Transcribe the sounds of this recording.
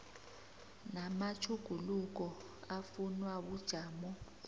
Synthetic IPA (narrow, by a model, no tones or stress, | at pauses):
namat͡ʃʰuɡ̥ʱuluk̬ɔ | afunwaɓud̥ʒ̥ʱaːmɔ